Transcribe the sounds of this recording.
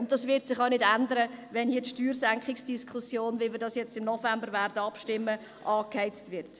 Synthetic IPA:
ʊnt̚d̥ɑsʋɪtsɪχaʊnɪdændəɾəʋɛnhiːɐtʃtyːrsæŋkχɪksd̥iskʰχʊsjoːnvɪlmɪɾdɑsjɛt͡stɪmnɔfɛmbəɾʋæɾd̥əɑpʃtɪmːə | ʔɑːkhɛɪt͡stvɪɾt

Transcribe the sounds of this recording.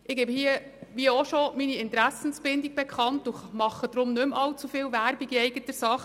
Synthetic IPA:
ʔɪɡ̥ebhiəʋiəɔʃɔminiɪntɾæsən̩sb̥ɪndiɡ̚b̥ɛkχɑntʊχmɑχːəd̥ɾʊmnɵmɑlt͡sufɪːlʋæɾbiɡiɛɪɡətəsɑχ

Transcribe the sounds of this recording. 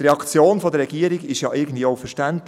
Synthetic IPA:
ɾɛɑkt͡sjoːnfɔdəɾːɛɡ̥iəɾiɡɪʃjɑʔɪɡən̩dviːoʊfəʃtænt

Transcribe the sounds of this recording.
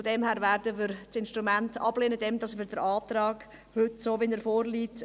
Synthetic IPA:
fodɛmhæːɾvæːɾdəʋɪɾɪnʃtɾumæntɑ̰b̥leːnədɛmd̥ɑsfɪɾd̥əɾɑːtɾɑːɡ̥ | hʏtsoːvɪnəɾfoːrliːt

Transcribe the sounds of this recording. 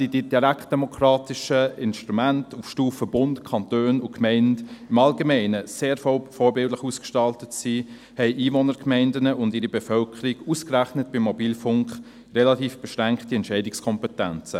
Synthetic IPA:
sididiɾækt̚d̥ɛmɔkʰɾɑːtɪʃəɪnst̪ɾumæntufʃtuːfəbʊntkʰɑntøːnʊkʰmɛɪntɪmɑlɡemɛɪnəseːɾfɔːɾbɪldləχuːskʃtɑltətsi | hɛɪʔiːvɔnəɾkmɛɪndənəʔʊndiːɾibɛfœlkʰəɾiɡuskræχnət̚b̥ɪmːɔbiːlfʊŋkχ | rɛlɑtiːfb̥ɛʃɾæŋktiɛntʃɛɪdɪkskʰɔmpɛtɛnt͡sə

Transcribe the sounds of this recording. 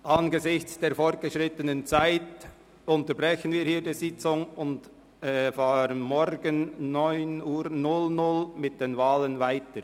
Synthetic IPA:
ʔɑnɡəzɪçt͡sd̥eːɾfɔʁt̚ɡ̥əʃʁɪtənənt͡saɪt | ʊntəbʁɛçənviːɾhiːɾdiːzɪt͡sʊŋʊnd | ɛfaːɾənmɔɾɡənnɔʏnuːɾnʊlnʊlmɪt̚d̥eːnvaːlənvaɪtəɾ

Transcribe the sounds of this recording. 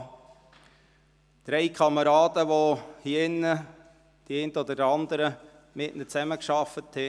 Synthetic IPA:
d̪̥ɾɛɪkʰɑməɾɑːd̥̪əʋohiɪnːə | d̥iɛɪntɔd̪ədɑnd̪əɾə | mɪʔnət͡sæməkʃɑfət̪ʰhɛ

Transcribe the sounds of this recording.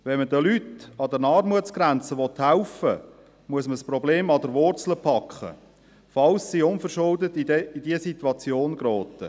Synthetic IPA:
ʋɛnmədəlytɑd̪ənɑːrmuətsɡ̥ɾænt͡səʋɔt̪haʊfə | muəsməsprɔbleːmɑdəɾʋʊrt͡sləpʰɑkχə̰ | fɑlssiʊnfəɾʃʊldətiid̥iəsit̪wɑt͡sjoːnɡrɔːtə

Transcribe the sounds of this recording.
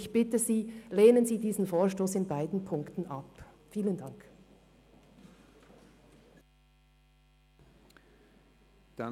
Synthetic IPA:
ɪçb̥ɪtəziːleːnənziːdiːzn̩foːɐʃtoːsɪnbaɪdn̩pʰʊŋktn̩ʔɑp | fiːləndɑŋk | d̥a

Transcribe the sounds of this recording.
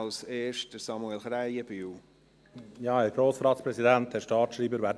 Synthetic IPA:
lseːʃtəsɑmuɛlχɾæjəbyw | jɑːɛːɾɡ̥ɾoːsɾɑːtspɾɛsidænt̪̚dɛːʃtɑːtʃɾiːbəɾʋæːɾd

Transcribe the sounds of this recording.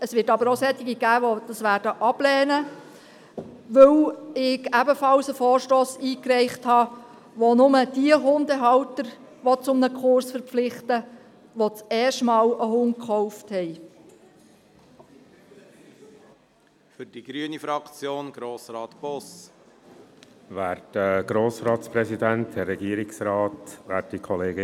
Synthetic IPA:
əsʋɪtɑbəɾosɛt̪ːɪɡiɡ̥æːʋod̥ɑsʋæːɾdəʔɑb̥lɛːnə | ʋɵwɪɡæbəfɑlsəfɔːɾʃtoːsiːkɾɛɪχthɑː | ʋonʊməd̥iəɦʊnd̪əɦɑwtəɾ | ʋot͡sʊmnəkʰχʊɾsfəɾpp͡flɪχtə | ʋot͡sɛːʃtmɑːləɦʊnkχɔʊfthɛɪ | fʏɾd̥iɡ̥ɾyənifɾɑkt͡sjoːnɡ̥ɾoːsɾɑːt̪b̥ɔs | ʋæːɾtəɡ̥ɾoːsɾɑːt̪spɾɛsidænthɛrːɛɡiːəɾɪksɾɑːtvæ̰ːt̚d̥ikʰɔleːɡɪ

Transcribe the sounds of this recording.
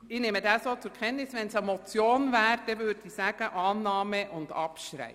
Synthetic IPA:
ɪnemədɑːsoːt͡sʊɾkʰɛnːnɪsʋɛnsəmɔt͡sjoːnvæːɾd̥ɛvʏɾdə̥isæːɡ̥əʔɑːnːɑːməʔʊnd̥ɑpʃɾæ̰ɪ

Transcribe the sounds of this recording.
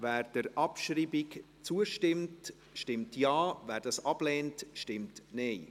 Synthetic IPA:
vɛːɾd̥əɾʔɑpʃriːbɪk | t͡suəʃtɪmt | ʃtɪmtjɑːvæːɾd̥ɑsɑb̥lɛːntʃtɪmtnɛɪ

